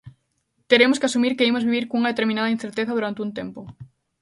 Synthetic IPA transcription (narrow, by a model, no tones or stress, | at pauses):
t̪eɾemʊskɪasumiɾkeimozβiβiɾkoŋuŋɐðet̪eɾmĩnaðɐinθeɾt̪eθɐðuɾant̪eunt̪empʊ